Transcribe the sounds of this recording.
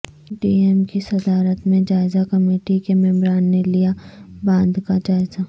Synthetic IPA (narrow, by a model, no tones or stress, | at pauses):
ɖiːeːmkisɐd̪aːɾət̪mẽd͡ʒaːɪzakɐmeːʈikemɛ̃mɾaːnːelijabãːnd̪kad͡ʒaːɪza